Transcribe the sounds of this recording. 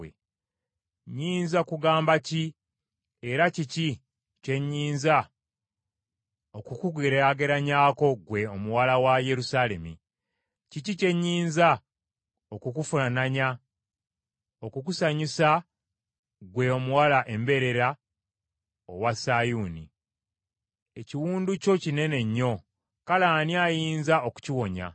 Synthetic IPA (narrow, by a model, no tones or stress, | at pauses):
ḛ | ɲiːnzakuɡaːmbaci | e̞ɾacici | ce̞ɲːiːnza | o̞kukuɡeɾeaɡe̞ɾaɲaːko̞ɡwe̞omuwalawaje̞ɾusale̞̰mḭ | cicice̞ɲːiːnza | okukufunanaɲa | okukusaɲisa | ɡwe̞o̞muwalaʔe̞mbe̞ɾe̞ɾa | owasajuːnḭ | eciwuːnduco̞cine̞ne̞ɲːo̞ | kalaːniajiːnzaoku̥ciwo̞ɲa̰